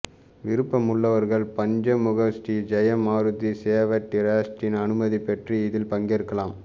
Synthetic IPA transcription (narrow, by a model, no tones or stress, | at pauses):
ʋɪɾɯpːɐmʊɭːɐʋɐɾɣɐɭpɐɲd͡ʒɐmʊɣɐsʈid͡ʒɐjɐmaːɾɯt̪ːiseːʋɐʈːɪɾaːsʈɪnɐnɯmɐðipːɛʈriɪðɪlpɐŋɡeɾɯkːɐlaːm